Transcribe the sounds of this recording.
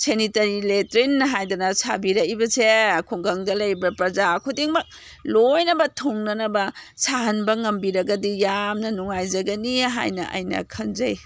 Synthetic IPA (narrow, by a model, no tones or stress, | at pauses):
senitɐɾiletɾinːɐɦajdanɐsʰa̰biɾɐibɐsekʰuŋɡɐŋdɐlɐjbɐpɾɐzakʰudiŋmɐk̚ | lojnɐbɐtʰoŋnɐnɐbɐsaɦɐnbɐŋɐmbiɾɐɡɐdijamnɐnuŋajzɐɡɐniɦa̰jnɐ̰ʔɐ̰jnɐ̰kʰɐnzɐj